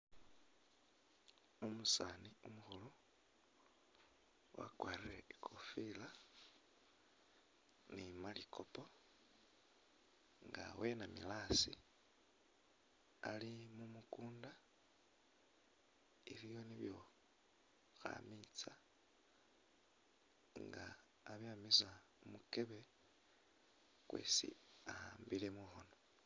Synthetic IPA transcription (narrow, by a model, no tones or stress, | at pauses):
umusaːniumuxulu | wa̰kwaːrireikʰofila | nimalikʰopo̞ | ŋɡa̰we̞namilaːsi | alimumukuːnda | ilijo̞niβjo̞ | xa̰mit͡sa | ŋɡaː | βjamiza | umuke̞βe̞ | kwe̞̰ːsḭahaːmbilemuxono